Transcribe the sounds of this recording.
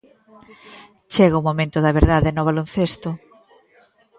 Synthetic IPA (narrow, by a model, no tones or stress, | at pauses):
t͡ʃeɣɐumomẽnt̪ʊðɐβeɾðaðenoβ̞alonθest̪ʊ